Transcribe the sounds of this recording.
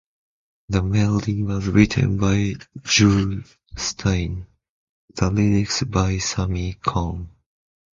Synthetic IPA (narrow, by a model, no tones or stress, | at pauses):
ðəmɛlˠdɪ̃ŋwʌzɹɪtʰə̰̃nbaɪd͡ʒu | stʰãɪ̃n | ðəlɪnɪksbaɪsamikʰɔ̃ŋ